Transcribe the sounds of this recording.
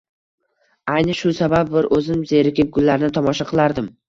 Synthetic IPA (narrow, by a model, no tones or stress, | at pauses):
ajnɪʃʊsabab̚bɪɾʔɵzɪmze̞ɾɪkʲɪp̚ɡʊlːaɾnɪt̪ʰɒmɒʃaqʰɨlˠaɾd̪ɪm